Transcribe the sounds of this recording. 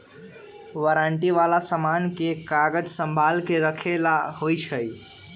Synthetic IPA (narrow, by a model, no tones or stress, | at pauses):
ʋəɾaɳʈiʋalasəmankekaɡəd͡ʒsəmbʱalkeɾəkʰelahojt͡ʃʰəj